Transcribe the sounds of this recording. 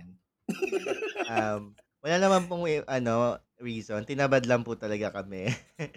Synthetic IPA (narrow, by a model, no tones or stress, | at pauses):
n | ʔɐm | wɐlaːnɐmanpʊŋʔɐno | ɹiːsont̪ɪnabɐd̪lɐmpʊt̪ɐlɐɡakɐmɛ